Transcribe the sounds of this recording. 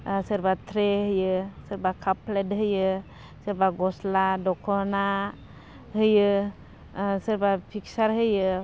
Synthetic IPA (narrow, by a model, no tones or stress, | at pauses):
səɾbat̪ʰɾeɦɯjɯsəɾbakʰapʰːledɦɯjɯ | səɾbaɡɔsladɔkʰɔna | ɦɯjɯ | səɾbapʰiksaɾɦɯjɯ